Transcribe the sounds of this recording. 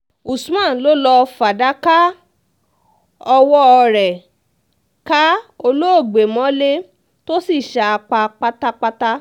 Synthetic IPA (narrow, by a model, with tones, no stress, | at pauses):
u˨su˨˦mã˦˨lo˦lɔ˧fa˨da˨˦ka˦ | ɔ˧wɔ˦ɔ˧ɾɛ˨ | ka˦o˧lo˦o˦˨ɡ͡be˨mɔ̃˨˦le˦ | to˦si˦˨ʃa˧a˧k͡pa˧k͡pa˦ta˦k͡pa˦ta˦